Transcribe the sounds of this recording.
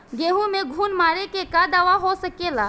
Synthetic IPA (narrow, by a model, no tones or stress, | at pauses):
ɡeːɦũmẽɡʱuːnmaːɾekekad̪aʋaɦosəkelaː